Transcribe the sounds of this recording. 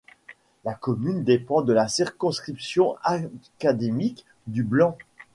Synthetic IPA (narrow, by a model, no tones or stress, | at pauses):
lakɔmynd̪epɑ̃d̪əlasiʁkɔ̃skχipsjɔ̃akad̪emik | d̪yblɑ̃